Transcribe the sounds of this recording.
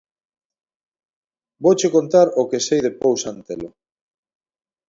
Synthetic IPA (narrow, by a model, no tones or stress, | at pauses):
bowt͡ʃekont̪aɾokesejðepowsant̪elo